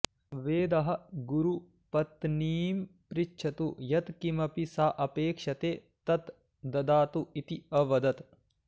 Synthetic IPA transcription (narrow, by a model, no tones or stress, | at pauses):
ʋeːd̪ɐɦɐ̆ɡuɾu | pɐt̪niːmpɾit͡ʃːt͡ʃʰɐt̪ujɐt̪kimɐpisaːʔɐpeːkʂɐt̪eː | t̪ɐt̪ | d̪ɐd̪aːt̪uit̪iɐʋɐd̪ɐt̪